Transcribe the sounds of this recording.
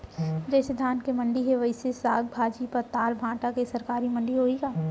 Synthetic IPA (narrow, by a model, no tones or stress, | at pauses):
d͡ʒɛːsed̪ʱaːnkemɐ̃ɳɖiɦeʋɐɪsesaːɡ̚bʱaːd͡ʒipɐɾt̪aːɾbʱãːʈakesɐɾkaːɾimɐ̃ɳɖiɦoːiɡaː